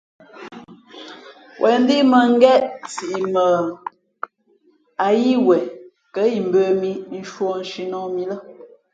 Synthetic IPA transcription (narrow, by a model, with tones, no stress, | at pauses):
wʔɛ˨n˦di˦mə˨ŋ̩˦ɡɛ˦ʔt͡si˨ʔi˨mə˨ | a˨ji˦wɛ˨ | kə˨˦i˨m̩˨bə˦mi˦n̩˦ʃwɔ˦n̩˨ʃi˦nɔ˦mi˦lə˦